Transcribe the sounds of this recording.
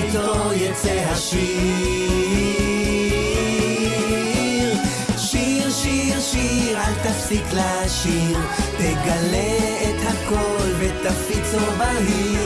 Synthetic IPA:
t̪ojet͡seɦaʃi | ʃiʁʃiʁʃiʁalt̪afsikla | ʃiʁ | t̪eɡalːeet̪hako̞lvet̪afit͡sovahi

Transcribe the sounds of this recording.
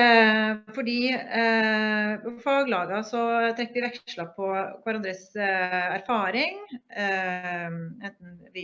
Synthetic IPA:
fɔɖiː | pɔfɑːɡlɑːɡɑsɔt̪ʰɾɛkːəʋɪʋɛkʂɭɑpʰɔkʰʋɑɾɑnd̪ɾəsæɾfɑːɾɪŋ | ɛnt̪n̩ʋɪ

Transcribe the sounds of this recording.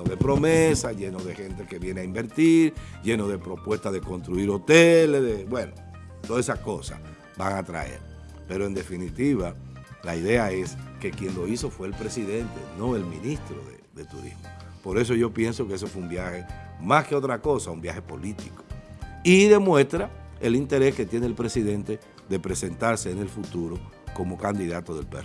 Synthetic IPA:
enoðepɾo̞mesaʝenoðe̞xe̞nt̪eke̞βjeneaimbe̞ɾt̪iɾɟ͡ʝe̞no̞ðe̞pɾo̞pwe̞st̪aðe̞konst̪ɾuiɾo̞t̪elezðebweno | t̪oðesako̞sa̰ | baŋat̪ɾa̰ḛɾ | pe̞ɾoe̞nd̪e̞finit̪iβalaiðe̞ae̞ske̞kje̞nlo̞iso̞fwe̞ːlpɾe̞siðe̞nt̪enõ̞e̞lmḭ̃nist̪ɾo̞ðḛðe̞t̪uɾḭzmopo̞ɾe̞s̬o̞ʝo̞pje̞nso̞kees̬ofweumbjahe̞maske̞o̞t̪ɾako̞saumbjaxe̞po̞lit̪iko̥iðe̞mwe̞st̪ɾaelint̪e̞ɾe̞ske̞t̪je̞neːlpɾe̞siðe̞nt̪e̞ | ðe̞pɾe̞se̞nt̪aɾse̞ːne̞lfut̪uɾo̞ | ko̞mo̞kand̪iðat̪o̞ðe̞lpḛr

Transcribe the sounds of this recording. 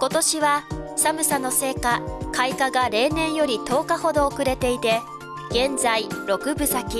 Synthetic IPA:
ko̞t̪o̞ɕiβasamɯ̟sano̞se̞ːkakaikaɡaɾe̞ːnẽ̞ɰ̃jo̞ɾʲit̪o̞ːkaho̞d̪o̞ːkɯ̟ɾe̞t̪e̞it̪e̞ | ɡ̥ẽ̞nd͡zaiɾo̞kɯ̟bɯ̟sakʲi

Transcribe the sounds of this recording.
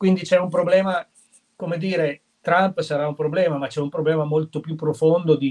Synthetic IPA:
kwind̪it͡ʃɛumpɾoblɛːma | komed̪iːɾe | t̪ɾampsaɾaumpɾoblɛːmamat͡ʃɛumpɾoblɛːmamolt̪opjupːɾofond̪od̪i

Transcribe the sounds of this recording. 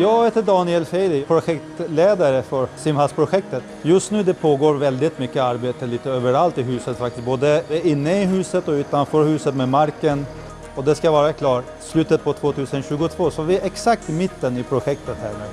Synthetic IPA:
jɑːɡheːt̪əɖɑːnɪɛlfɛɪd̪ɪpʰɾʊɧɛkt̪leːd̪aɾəfœɾsɪmhalspʰɾʊɧɛk̚t̪ət̪ | jɵst̪nʉ̟ːd̪ɛpʰoːɡoːɾvɛld̪ɪt̪mʏkːəaɾbeːt̪əliːt̪əøːvəɾalt̪ɪɦʉ̟ːsət̪fak̚t̪ɪst̪̚boːd̪əɪnːəɪɦʉ̟ːsət̪ɔʉ̟ːt̪anfœːɾhʉ̟ːsət̪memaɾkən | ɔd̪ɛskavɑːɾakʰlɑːʈ | slʉ̟ːt̪ət̪̚pʰɔt̪ʰvoːt̪ʰʉ̟ːsənɕʉːɡʊt̪ʰvoːsɔvɪɛɾɛksak̚t̪mɪt̪ːənɪpʰɾʊɧɛk̚t̪ət̪hæ̰ːɾmɛ

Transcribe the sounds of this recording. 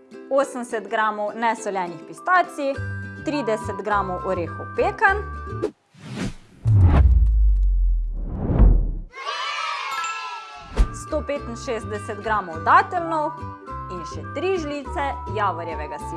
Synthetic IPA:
oːsənsɛt̪ɡɾaːmɔwnɛsɔljɛːnixpist̪aːt̪sit̪ɾiːd̪ɛsɛt̪ɡɾaːmɔwʔɔɾeːxɔwpeːkan | st̪oːpeːt̪inʃeːzd̪ɛsɛt̪ɡɾaːmɔwd̪aːt̪ɛlnɔw | inʃɛt̪ɾiʒliːt̪sɛjaːʋɔɾjɛʋɛɡase

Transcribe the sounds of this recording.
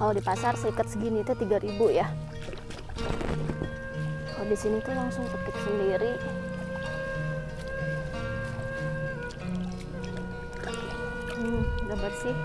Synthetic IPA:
kaladipasarsəikət̪̚səɡinit̪ut̪iɡaɾibuja | adisinit̪ulaŋsʊŋpakɪk̪̚səndiɾi | m̩dəbət̪̚sɪh

